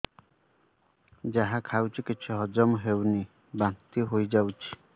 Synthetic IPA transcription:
d͡ʒaɦãkʰawt͡ʃʰikit͡ʃʰuɦɔd͡ʒɔmɦewni | bant̪iɦojd͡ʒawt͡ʃʰi̥

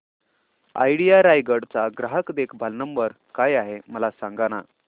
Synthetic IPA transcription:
a̰jɽijaɾajɡəɽt͡saɡɾaɦəkd̪ekʰbʱalnəmbəɾ | kajaɦeməlasãŋɡaña̰

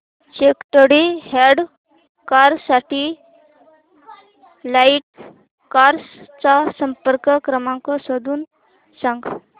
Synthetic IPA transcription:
t͡ɕekʈ̪əɽihɛɖ | kaɾsaʈi | laiʈ̚ | kaɾst͡sasəmpəɾkəkɾəmãŋkɔsəd̪uːn | sãŋɡ

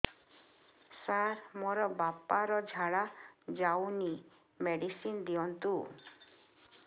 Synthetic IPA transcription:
saɾmɔɾɔbapaɾɔd͡ʒʱaɽad͡ʒawni | meɖisind̪iɔnt̪u

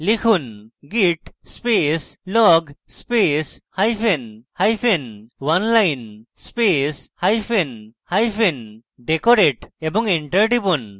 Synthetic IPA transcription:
likʰunɡiʈspeslɔɡspeshajpʰenhajpʰenwanlajnspeshajpʰenhajpʰenɖekɔɾeʈebɔŋiɳʈəɾɖibun

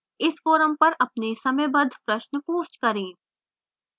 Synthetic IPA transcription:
ɪsfoːɾəmpɐɾʔɐpnesɐmebɐd̪ʱpɾɐʃnpuːʃt͡ʃkɐɾẽː

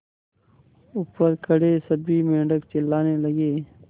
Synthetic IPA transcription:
upəɾkəɽeːsəbiːmẽːɳɖəkt͡ʃelaːneːləɡeː

